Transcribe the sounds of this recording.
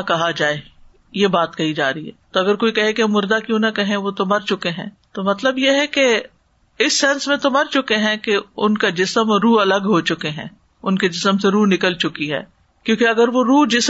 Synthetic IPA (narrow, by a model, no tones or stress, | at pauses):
kɐɦad͡ʒaːe | jebaːt̪kɐɦid͡ʒaːɾɐɦḭɦɛ̰ːt̪oɐɡəɾkoːikɐɦẽkeɐmːʊɾd̪akjũːnɐkɐɦẽʋot̪omɐɾt͡ʃʊkeɦɛ̰̃ː | t̪omɐt̪ləbjeɦɛke | ɪsːɛnsmẽt̪omɐɾt͡ʃʊkeɦɛ̃keʊnkad͡ʒɪsəmɾuːɐləɡɦot͡ʃʊkeɦɛ̰̃ː | ʊnked͡ʒɪsəmseɾuːnɪkəlt͡ʃʊkiɦɛ̰ː | kjõːkeɐɡəɾʋoɾuːd͡ʒɪs